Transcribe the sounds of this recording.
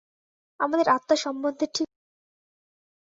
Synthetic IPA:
amad̪eɾat̪ːaʃɔmbond̪ʱeʈʰi

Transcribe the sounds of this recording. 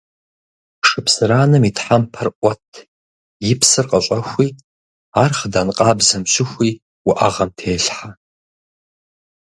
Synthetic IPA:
ʂɨpsɨɾaːnɨmitħampʰɐrʔʷʼɔtʰ | jɪpʰsɨrqʼəɕʷʼɐxʷiː | aːrχədanqʼaːbzɐmɕɪxʷiː | wʊʔaʁɐmtʰeːɬħa

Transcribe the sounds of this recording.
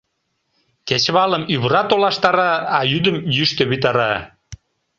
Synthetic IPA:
ket͡ɕβɑləmyβɾɑt̪olɑʃt̪ɑɾɑːjyd̪əmjyʃt̪øβit̪ɑɾɑ

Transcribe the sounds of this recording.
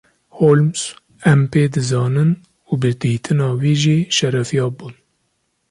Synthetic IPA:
hoːlms | ɛmpeːd̪ɨzɑːnɨn | ubɨd̪iːt̪ʰɨnɑːwiːʒiːʃɛɾɛfijɑːbuːn

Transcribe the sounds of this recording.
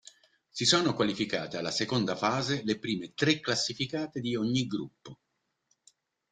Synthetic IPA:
sisoːnokwalifika̰ːt̪ealːasekond̪afaːzelepɾiːmet̪ɾekːlasːifikaːt̪ed̪ioɲːiɡɾṵpːo

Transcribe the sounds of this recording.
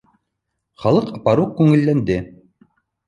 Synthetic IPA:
χɑlˠɤqɑpɑɾuq̚kːʉŋɘ̆lːænd̪ɘ

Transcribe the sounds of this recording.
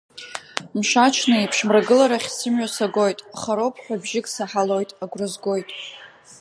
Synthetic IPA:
mʃat͡ʃʰnɨipʰʂmraɡɨlaɾaχʲsɨmɥasaɡo̞jtʼχaɾo̞pʰħʷᶣabʒɪkʼsaħalo̞jtʼaɡʷrɨzɡo̞jtʼ

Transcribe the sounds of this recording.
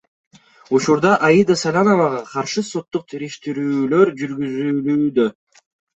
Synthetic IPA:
ut͡ʃuɾd̪ɑʔɑjid̪asalʲanovɑʁɑqʰɑɾʃɯso̞t̪ːuq̚t̪ʰiɾiʃt̪iɾyːlø̞ɾd͡ʒyɾɡyzyːlyːd̪ø

